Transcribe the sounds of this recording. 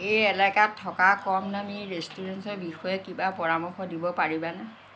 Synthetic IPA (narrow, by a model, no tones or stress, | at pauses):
ejɛlakatʰːɔkakɔmnamiɹestuɹɛnsɔbixɔjɛkibapɔɹamɔxɔdibɔpaɹibana